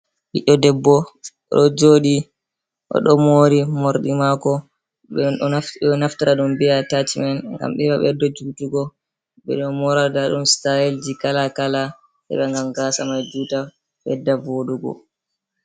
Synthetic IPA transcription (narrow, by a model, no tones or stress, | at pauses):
hiɗɔdɛbːɔ | ɔ̰ɗɔd͡ʒoɗi | ʔɔ̰ɗɔmoːɾimoɾɗimakɔ | ɛ | naftaɾaɗumbiatat͡ʃmɛnŋɡa̰mɓɛbaɓɛdːad͡ʒutuɡɔ | ɓɛ̰ɗɔmɔɾadaɗumstajeld͡ʒikalakala | ɗɛ̰ɓɛŋɡamɡasamajd͡ʒuːta | ɓɛ̰dːavoɗuɡɔ̰